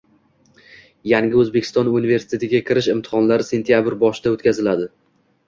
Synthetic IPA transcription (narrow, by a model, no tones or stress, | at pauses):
jaŋɡʲɪɵzbekʲɪ̥st̪ɒnunive̞ɾsɪ̥t̪ʰet̪ʰɪɡʲakʲʰɪɾɪʃɪmt̪ʰɪ̥χɒnlaɾɪse̞nt̪ʰijabɾbɒʃɪd̪aot̪kʲʰazɪlad̪ɪ